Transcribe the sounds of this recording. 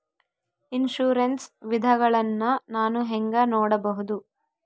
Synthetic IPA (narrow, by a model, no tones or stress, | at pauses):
inʃuːɾensʋid̪ʱɐɡɐɭɐnːɐnaːnuɦeŋɡɐnoːɽɐbɐɦud̪u